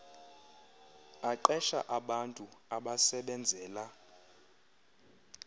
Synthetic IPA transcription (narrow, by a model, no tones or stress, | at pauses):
aǃɛʃa̰ʔaɓantʼuaɓasɛɓɛnd͡zʱɛːla